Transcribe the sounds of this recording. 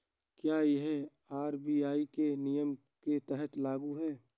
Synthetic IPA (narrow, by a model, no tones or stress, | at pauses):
kjaːjeɦɛ | aːɾbiːaːikenɪjəm | ket̪ɛɦət̪laːɡuɦɛː